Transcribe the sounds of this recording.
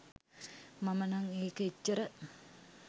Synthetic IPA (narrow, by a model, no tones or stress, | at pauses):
mamənaŋeːkəit͡ʃːəɾə